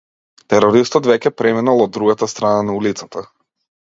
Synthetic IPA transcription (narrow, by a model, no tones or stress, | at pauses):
t̪ɛɾɔɾist̪ɔt̪vɛcɛpɾɛminalˠɔd̪ːɾuɡat̪ast̪ɾananaulit̪sat̪a